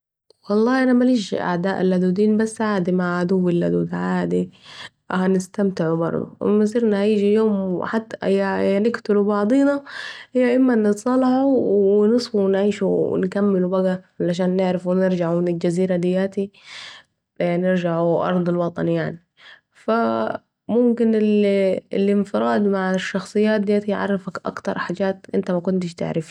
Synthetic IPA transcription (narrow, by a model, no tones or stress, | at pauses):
wɑlˤːɑːhʔanamaliːʃʔa̰ʕd̪aːʔalhad̪uːd̪iːnbasːʕaːd̪imaʕʕad̪uwːɪlʔad̪ṵːd̪ʕaːd̪i | hanɪst̪amt̪ɪʕubɑ̰ɾˤd̪ˤṵɪ̰mːas̬ˤiːɾnahajiːd͡ʒijoːmħat̪ːaɪjːanɪkt̪ʊlubɑʕd̪ˤiːnahɪjːaʔɪmːanɨt̪sˤɑlːɑħuwɪnɨsˤfunʕiːʃṵnkamːɪlubaɡalaʃ̬aːnːɪʕɾɪfwɪnɪɾd͡ʒaʕumɪnɪld͡ʒaziːɾad̪ɪjːaːt̪i | nɪɾd͡ʒaʕuʔɑ̰ɾˤd̪ˤɪlwɑt̪ˤɑnjaʕni | fa | mʊmkɪnɪllɪnfɪɾɑːd̪maʕʃːɑxsˤɨjːaːt̪̚d̪ɪjaːt̪iʕɑ̰rˤːɪfakʔa̰kt̪ɑɾˤħaːd͡ʒaːt̪ʔɪnt̪amakʊnt̪ɪʃt̪ɪ̰ʕɾɪfi